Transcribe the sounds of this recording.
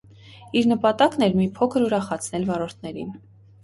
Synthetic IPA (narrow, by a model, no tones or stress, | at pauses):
iɾnəpɑt̪ɑknɛɾmipʰɔkʰəɾuɾɑχɑt͡sʰnɛlvɑɾɔɾt̪ʰnɛɾḭn